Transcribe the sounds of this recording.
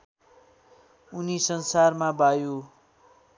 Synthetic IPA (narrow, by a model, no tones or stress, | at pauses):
unisʌnsarmabaju